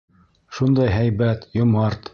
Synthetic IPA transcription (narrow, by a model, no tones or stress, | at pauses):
ʃund̪ɑjɦæjbæt̪jŏmɑɾt̪